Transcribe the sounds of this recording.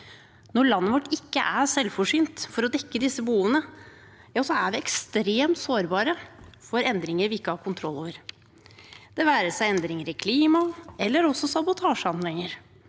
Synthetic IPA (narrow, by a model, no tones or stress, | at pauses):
nɔɭɑnːəʋɔʈːɪkːə̰ʔæsɛlːfɔʂyːnt̪fɔɾɔd̪ɛkːəd̪ɪsːəbəhuːʋənə | jɑːsɔæʋɪɛkst̪ɾeːmt̪soːɾbɑːɾəfɔɾɛnd̪ɾɪŋəɾʋɪɪkːəhɑːɾkʊnt̪ʰɾɔlːoːʋəɾ | d̪̥ɛʋæːɾəsæɪɛnd̪ɾɪŋəɾɪkʰliːmɑɛlːəɾɔsɔsɑbʊt̪ʰɑːʂəɑnlɛŋəɾ